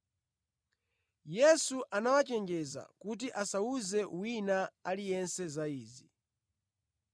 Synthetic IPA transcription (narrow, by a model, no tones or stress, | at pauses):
jɛsuʔanawat͡ʃɛŋɡɛza̰kut̬iʔasauzɛwinaalijɛnsɛzaiːzi